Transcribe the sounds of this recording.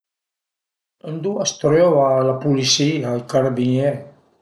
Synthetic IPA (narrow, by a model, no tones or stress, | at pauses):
ənd̪uast̪ɾewalapulisiajkaɾabiɲe